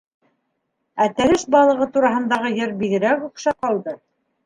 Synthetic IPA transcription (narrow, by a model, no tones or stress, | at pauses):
æt̪æɾɘʃbɑlˠɤ̆ʁɤt̪uɾɑɦɤ̆nd̪ɑʁɤjɘɾbiðɘ̆ɾækuqʃɑqɑlˠd̪ɤ